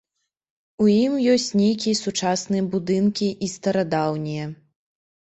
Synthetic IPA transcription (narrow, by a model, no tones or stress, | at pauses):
ujimjɔsʲt͡sʲnʲejkʲijɐsut͡ʂasnɨjɐbud̪ɨnkʲiʔist̪ɐɾad̪awnʲijɛ